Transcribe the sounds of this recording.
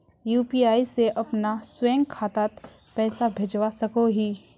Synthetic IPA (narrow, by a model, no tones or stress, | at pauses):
juːpiːaːiseʔɐpnaswɛ̃ːŋɡkʰaːt̪aːt̪ | pɛːsabʱeːd͡ʒwasɐkoɦiː